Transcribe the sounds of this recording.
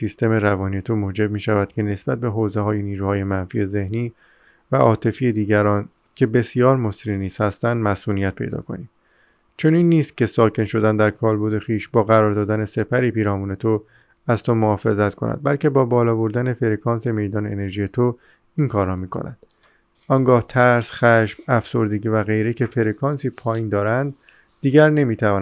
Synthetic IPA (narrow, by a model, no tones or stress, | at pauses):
sist̪e̞me̞ɾævɒːnijet̪ʰomoːd͡ʒe̞b̚miːʃævæd̪̥̚cʲʰe̞ne̞sb̥æt̪̚be̞ɦoːzeɦɒːjeniːɾuːhɒːje̞mænfiːeze̞hniː | væʔɒːt̪ʰe̞fiːjed̪iːɟæɾɒːn | cʰe̞be̞sijɒːɾmosɾiniːz̥hæst̪ænd̪mæsuːnijæt̪̚pʰe̞jd̪ɒ̰ːkʰo̞̰niː | t͡ʃʰo̞niːnːiːst̪̚cʰʲe̞sɒːcʰe̞nʃo̞d̪ænd̪æɾkʰɒːɾbud̪e̞xiːʃbɒːɣæɾɒːɾd̪ɒːd̪æne̞se̞pʰæɾiːpiːɾɒːmuːne̞t̪ʰo | æzt̪ʰomohɒːfe̞zæt̪kʰonʔæ̰d̪̚bælcʰe̞bɒːbɒːlɒːbo̞ɾd̪æne̞fe̞ɾekʰɒːnse̞me̞jd̪ɒːneene̞ɾʒiːje̞t̪ʰo | iŋkʰɒːɾːɒːmiːkʰo̞̰næ̰nd̪̥ | ɒŋɡɒːht̪ʰæɾsχæʃb̥æfso̞ɾd̪e̞ɟiːvæɣe̞jɾecʰe̞fe̞ɾekʰɒːnsiːpʰɒːjiːnd̪ɒːɾænd̪̚ː | iːɟæɾne̞miːt̪ʰævɒːn